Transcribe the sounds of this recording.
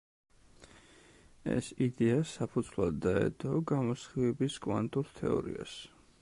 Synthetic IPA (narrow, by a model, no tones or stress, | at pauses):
ɛ̰sid̪ɛasapʰud̪z̥vlˠad̪ːaɛ̰d̪ɔɡamɔsχivɛbiskʼwant̪ʼuɾt̪ʰɛɔ̰ɾḭa̰s